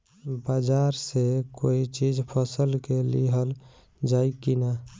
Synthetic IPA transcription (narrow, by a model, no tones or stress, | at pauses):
bad͡ʒaɾsekoit͡ʃid͡ʒpʰəsəlkelḭɦəl | d͡ʒaikina